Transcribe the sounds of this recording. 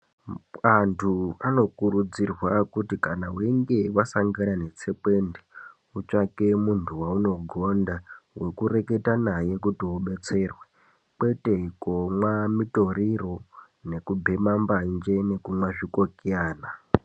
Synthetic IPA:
antʰuano̞kuɾud͡zirwakutikanaweŋɡe̞ʋasaŋɡaɾane̞t͡se̞pe̞nde | ut͡ʃake̞muntʰuwauno̞ɡʱo̞ndawe̞kure̞ke̞tanaje̞kutiuɓe̞t͡se̞rwe | kwe̞te̞komwamito̞ɾiro̞ | ne̞kubʱemamband͡ʒe̞ne̞kumwaʐikokiaːna

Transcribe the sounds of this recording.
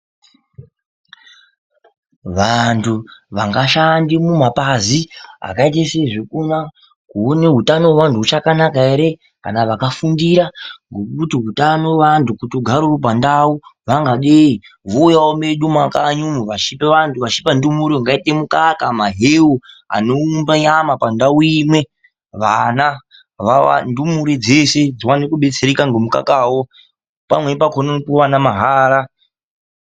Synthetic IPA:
ʋantʰuʋaŋɡaʃandimumapazia̰kait̬eseʐikuna | kuoneɦutano̞ʋantʰuɦut͡ʃakanakaeɾe̞ | ka̰naʋakafundiɾaŋɡokutiɦutano̞ʋantʰukutuɡʱaɾurop̬andauʋaŋɡaɗei | ɦojaomeɗumakaɲumuʋaʃipeʋantʰuʋaʃi̥pandumuɾeŋɡaitemukakamaɦeua̰noumbaɲamapandauimwe | ʋana | ʋaa̰ndumuɾid͡zesed͡ziwanekuɓe̞t͡seɾekaŋɡemuka̰kaːwo | pamwepakʰonopuwanamaɦaːɾa

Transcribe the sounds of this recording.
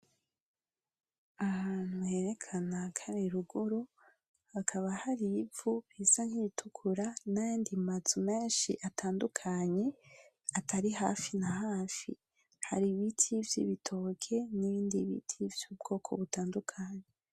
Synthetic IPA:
ahaːn̥huhe̞ɾe̞kʰanakʰaɾeɾuɡuɾo | akʰaβahaɾivuβizaŋ̥hitʰukʰuɾanajaːndimazume̞ːnʃḭʔatʰaːndukʰaɲe̞ | atʰaɾiɦa̰ːfinahaːfḭ | ha̰ɾiβitʰivjḭβitʰo̞ːkʰe̞niβiːndiβḭtʰivjuːb̚ɡo̞ːkʰo̞̰βutaːndukʰaɲe

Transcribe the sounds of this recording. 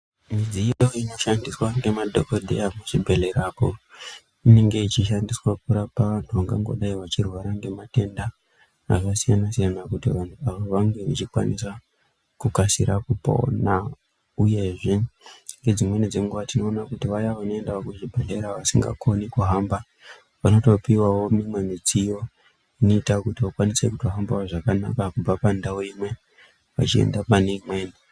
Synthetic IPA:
mid͡zijojoino̞ʃandiswaŋɡe̞madʱokodʱḛamuʐibʱe̞le̞ɾaːpo | ine̞ŋɡe̞it͡ʃiʃandiswak̚uɾapaʋantʰuʋaŋɡaŋɡo̞̰ɗaiʋat͡ʃirwaɾaŋɡe̞mate̞nda̰ː | kasijanasijanakutiʋantʰuaʋoʋaŋɡe̞ʋit͡ʃikwa̰niswa | kukasiɾakupo̞̰na | uje̞ʐe̞ŋɡe̞d͡zimwe̞nid͡zeŋɡuʋatino̞ːnakutiʋajaʋano̞e̞ndaokuʐibʱeɮeɾaʋasiŋɡa̰kʰo̞nikuɦamba | ʋano̞topiwawo̞mimwe̞mit͡sijo̞ | ino̞itakutiwakwanise̞kutoɦambawoʐakana̰kakub͡vapandawoimwe̞ | ʋa̰t͡ʃiḛndapaneimweːni

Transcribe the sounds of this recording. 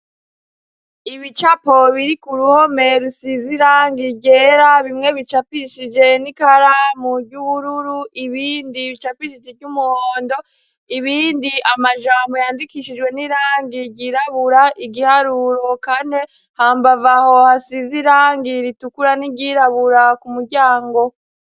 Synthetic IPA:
iβit͡ʃapo̞βiɾikuɾuho̞me̞ɾusiziɾaːŋɡiɟe̞ɾaβimŋe̞βit͡ʃapiʃid͡ʒe̞nikaɾamuɾɟuβuɾuɾuiβiːndiβit͡ʃapiʃid͡ʒevɟumuhoːndo̞ | iβiːndiʔamaʒaːmbo̞jaːndikiʃid͡ʒɡwe̞niɾaːŋɡiɟiɾaβuɾaʔiɡihaɾuɾo̞kane̞ | haːmbavaho̞hasiziɾaːŋɡiɾitukuɾaniɟiɾaβuɾakumuɾɟaːŋɡo̞

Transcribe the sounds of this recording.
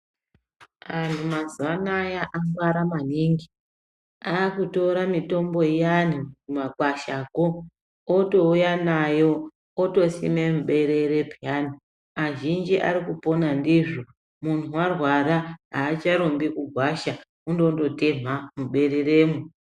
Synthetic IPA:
ʋantʰumazuanajaʔaŋɡwaɾamaniːŋɡi | aːkuto̞ɾamito̞mbo̞ijan̤umumakwaʃaːko̞ː | to̞ujanajo̞ː | to̞sḭmemuɓe̞ɾe̞ɾe̞pjan̤u | aʒind͡ʒiʔa̰ɾikupo̞nandiʐo | mun̤uwarwaɾaɦaːt͡ʃaɾombikuɡʱwaʃa | undo̞ndo̞te̞m̤amuɓe̞ɾe̞reːmu

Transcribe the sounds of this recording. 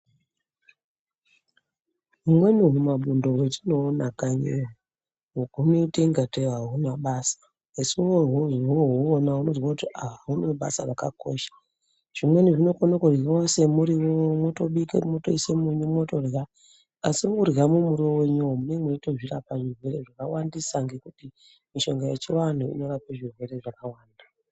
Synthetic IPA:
ɦumwe̞nuɦumaɓundo̞wetino̞ːnakaɲeɦu | ɦokuneteŋɡateaɦunaɓaːsḁ | esuoɦoɦoɦoːnaɦuno̞zwakutiaɦaɦunoɓa̰sa̰raka̰ko̰ʃḁ | ʐ̥imwe̞niʐino̞konokurɣiwose̞muɾiwomwoto̞ɓikḛmotoisemuɲumoto̞rɣa | asimukuramumuɾoweɲuwomune̞mweito̞ʐirapaʐirwe̞ɾe̞ʐakawandisaŋɡe̞kuti | miʃo̞ŋɡojet͡ʃiwan̤uḭno̞rapaʐirwe̞re̞ʐakawaːnda

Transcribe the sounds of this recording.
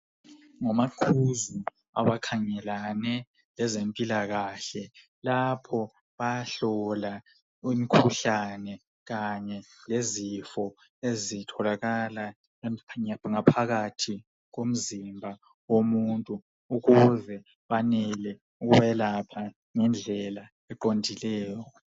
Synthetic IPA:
ŋamaǃʰuzu | a̰βakʰaŋɛlanɛ | lɛzempʼilaɣaɬɛ | lapʰɔ | βajɬɔla | imikʰuɬanɛ | ɣaɲɛlezifɔ | ezitʰɔlaɣala | aŋapʰaɣatʰi | ɣom̩zimbʱa | womuntʼuː | ɣuzɛ | βanɛlɛ | uɣuβɛlapʰa | ŋɛnd͡ɮʱɛla | ɛǃondʱilɛːjɔ

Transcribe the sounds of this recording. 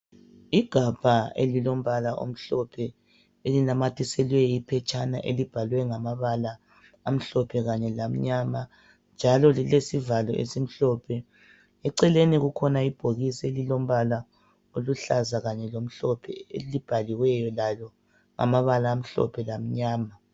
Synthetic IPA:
iɡ̥ʱab̥ʱaelilom̩βalaʔo̰m̩ɬɔpʰɛ | elinamatʰisɛlwɛipʰɛt͡ʃʼʰana̰ʔelib̥ʱalwɛŋamaβalaː | m̩ɬɔpʰɛɣaɲɛlam̩ɲama | nd͡ʒʱalɔlilesivalɔʔḛsim̩ɬɔpʰɛ | ɛǀɛleniɣukʰɔnaib̥ʱoɣiselilom̩βala | oluɬazaɣaɲɛlom̩ɬɔpʰɛelib̥ʱaliwɛjɔlalɔ | ŋʔa̰maβalaːm̩ɬɔ̰pʰɛlam̩ɲaːma

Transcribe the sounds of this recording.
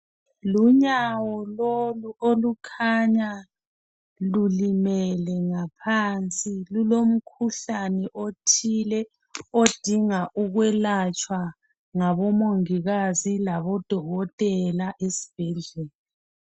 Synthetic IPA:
luɲawɔloluolukʰaɲa | lulimɛlɛŋapʰant͡sʼilulom̩kʰuɬanɛʔotʰilɛ | od̥ʱiŋaʔuɣwɛlat͡ʃʼwa | ŋaβɔmoŋiɣazilaβɔd̥ʱɔɣɔtʼɛlaʔesi̥b̥ʱɛɮɛːli

